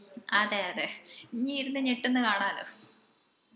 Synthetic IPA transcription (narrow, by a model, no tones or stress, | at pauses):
ɐðeɐðeɲːiiɾunːɨɲeʈːenːɨkaːɳaːɐloː